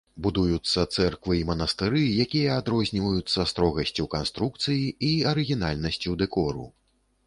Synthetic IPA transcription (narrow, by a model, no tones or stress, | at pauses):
bud̪ujut̪sːɐt̪sɛrkvɨimɐnɐst̪ɨɾɨjakʲijɐad̪ɾɔzʲnʲivɐjut̪sːɐst̪ɾɔɣɐsʲt͡sʲuwkanst̪ɾukt̪sɨjiiɐɾɨɣʲinalʲnɐsʲt͡sʲud̪ɛkɔɾṵ